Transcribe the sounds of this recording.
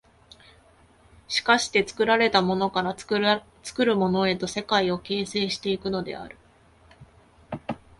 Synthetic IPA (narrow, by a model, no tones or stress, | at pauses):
ɕi̥kaɕi̥t̪e̞t͡sɨ̥kɯ̟ɾaɾe̞t̪amo̞no̞kaɾa | t͡sɨ̥kɯ̟ɾɯ̟mo̞no̞e̞t̪o̞se̞kaio̞ke̞ːse̞ːɕi̥t̪e̞ikɯ̟no̞d̪e̞̰a̰ɾɯ̟̥